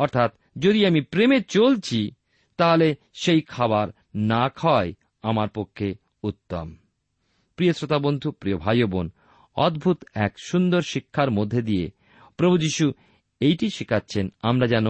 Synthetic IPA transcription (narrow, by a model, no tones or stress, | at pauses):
ɔɾt̪ʰat̪ | d͡ʑod̪iamipɾemet͡ɕolt͡ɕʰi | t̪aɦole | ʃejkʰaβaɾ | nakʰɔe | amaɾpokʰːe | ut̪ːom | pɾiosɾot̪abond̪ʱupɾiobʱajobon | ɔd̪̚bʱut̪ɛ̰kʃund̪oɾʃikʰːaɾmod̪ʱːed̪iḛ | pɾobʱud͡ʑiʃu | ejʈiʃikʰatːɕʰenamɾad͡ʑano